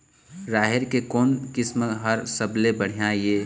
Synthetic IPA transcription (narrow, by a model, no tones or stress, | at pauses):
ɾaːɦɪɾkekɔːnkɪsməɦəɾsəblebəɽ̤ijãjeː